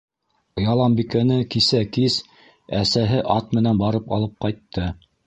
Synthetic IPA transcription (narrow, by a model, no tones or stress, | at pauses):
jɑlˠɑmbikænɘkisækis | æsæɦɘʔɑt̪̚mɘ̆nænbɑɾɤpɑ̰lˠɤp̚qɑjt̪ːɤ